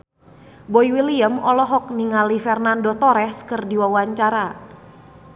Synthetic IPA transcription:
boiwiliəmɔlɔɦɔk̚niŋalifɛrnandot̪ɔɾɛskərdiwawaɲt͡ʃaɾa

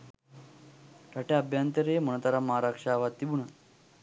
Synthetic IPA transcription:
ʈaʈjaabjant̪əɾeməñət̪aɾaməɦaɾakʂaːʋat̪ːibuna

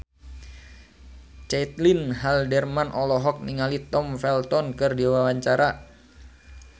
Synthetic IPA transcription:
t͡ʃɛt̪linɦaldɛrmanʔɔlɔɦɔk̚niŋalit̪ɔmfɛlt̪ɔnkɨrdiwawaɲt͡ʃaɾa

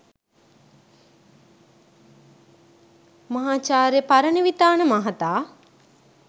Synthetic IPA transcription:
mɐɦaːt͡ʃaːɾjepaɾəniʋit̪aːnəmaɦat̪aː

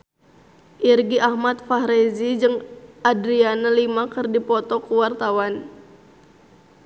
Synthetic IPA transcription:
ʔirɡiʔahmat̪̚faɦɾezid͡ʒɨŋadɾianalimakɨrdipɔt̪ɔkuwart̪awan

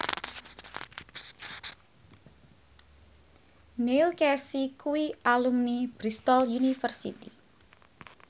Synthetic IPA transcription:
nilkɛsikuialumnib̥ɾist̪ɔljunifərsḭt̪i

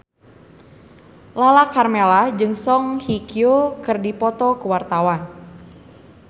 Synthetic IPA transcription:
lalakarmelad͡ʒɨŋsɔŋhikiokɨrdipɔt̪ɔkəwart̪awan

